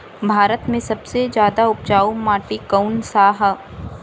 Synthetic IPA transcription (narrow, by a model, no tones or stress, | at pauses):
bʱaːɾət̪mẽsɐbsed͡ʒjaːd̪aʊp̚t͡ʃaːumaːʈikɐʊnsaːɦ